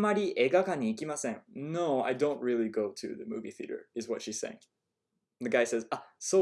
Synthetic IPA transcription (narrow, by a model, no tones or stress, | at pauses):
maɾʲiʔeɡakaɲiːkimasẽnnoʊa̰ɪdõʊ̃nt̚ɹilˠiɡoʊtʰɨ̰ðəmṵvḭθḭɾə̰˞ɨzwʌtʃisḛ̃ɪ̰̃ŋ | ðɨɡaɪsɛzaso